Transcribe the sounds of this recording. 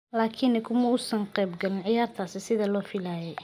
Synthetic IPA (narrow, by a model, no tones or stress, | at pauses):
laːkʰɪnɛkʰʊmɐʊsɐŋqɛːbɡɐlɪnʕɪjaːrt̪ʰaːsɪsɪðɐlɔːfilaːjɛj